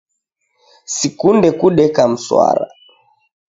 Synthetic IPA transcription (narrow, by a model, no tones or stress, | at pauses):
sikundɛkuɗɛkam̩swa̰ɾa̰